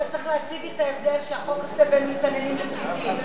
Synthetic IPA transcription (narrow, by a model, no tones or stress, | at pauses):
at͡sʁiχleat͡siɡet̪aevd̪e̞lʃeaχomlsebenmist̪anenimleplit̪i